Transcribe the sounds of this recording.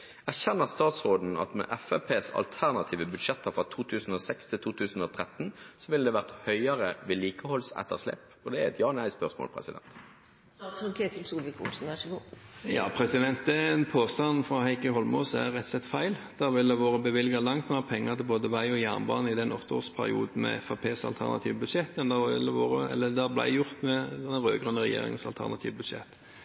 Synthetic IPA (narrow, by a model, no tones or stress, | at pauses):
æʁɕɛnːəʁst̪ɑːt̪sʁoːd̪n̩ɑ̰t̪mɛ̰ʔɛfɛpʰeːsɑ̰lt̪ʰæʁnɑt̪ʰiːʋəbʉd̪ʂɛt̪ːəɾfʁɑt̪ʰuːt̪ʰʉːsn̩ɔsɛkst̪ʰɪlt̪ʰuːt̪ʰʉːsn̩ɔt̪ʰɾɛt̪nsɔʋɪld̪ɛʋæʁt̪hœʏɑɾəʋɪliːkəhɔlsɛ̰t̪ːə̰ʁslɛ̰pː | ɔd̪ɛæɾɛt̪jɑːnæɪspœʁsmo̰ːlpʰɾɛ̰sɪd̪ɛ̰nt̪ː | sɔŋkʰeːt̪ʰɪlsuːlʋɪkʊ̰lsn̩ʋæʂɪɡoːjɑ̰ːpʰɾɛsɪd̪ɛnt̪̚d̪ɛɛnpʰoːst̪ɑnfɾɑhæɪkəhɔlmɔ̰ːsæʁɛt̪ːsɛt̪ːfæɪld̪̥ɑʋɪld̪ɛʋoːɾəbəʋɪlɡɑlɑŋt̪meːʁpʰɛŋːət̪ʰɪlboːd̪əʋæɪɔjæʁnbɑ̰ːnəɪd̪ɛnɔt̪ːəo̰ːspʰæɾɪ̰ṵːd̪n̩mɛ̰fɑːpʰeːsɑ̰lt̪ʰæ̰ʁnɑ̰t̪ʰḭːʋbʉd̪ʂɛt̪ːjɑnd̪ɑʋɪ̰ld̪ɛʋoːʁəɛ̰lːəd̪æblæ̰ɪjʊʁt̪mɛd̪ɛnəɾøːɡʁʉnːəʁɛ̰jḛːɾɪ̰ŋənsɑlt̪ʰæ̰ʁnɑt̪ʰiːʋbʉd̪ʃɛ̰t̪ː